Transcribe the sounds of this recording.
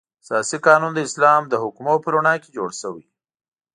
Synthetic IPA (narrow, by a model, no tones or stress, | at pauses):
sjɑsikɑnund̪əɪslɑmd̪əɦʊkmopəɾuɳɑked͡ʒoɽʃəwḭ